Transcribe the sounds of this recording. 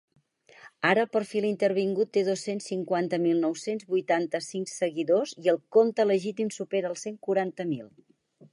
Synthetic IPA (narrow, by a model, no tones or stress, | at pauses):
aɾəːlˠpəɾfilˠint̪əɾβ̞iŋɡut̪ːeðosensːiŋkwant̪əmilˠnɔwsenzβujt̪ant̪əsiŋksəɣiðoziəlˠkont̪ələʒit̪imsupeɾəːlˠseŋkuɾant̪əmilˠ